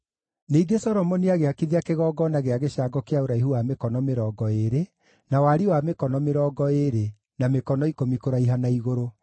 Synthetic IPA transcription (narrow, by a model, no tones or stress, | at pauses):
neːɡesɔɾɔmɔniaɣeakiðiakeɣɔːɡɔnaɣeaɣeɕaɡɔkeaoɾaiɦuwamekɔnɔmeɾɔːɡɔeɾe | nawaɾiwamekɔnɔmeɾɔːɡɔeɾe | namekɔnɔikomikoɾaiɦanaiɣoɾo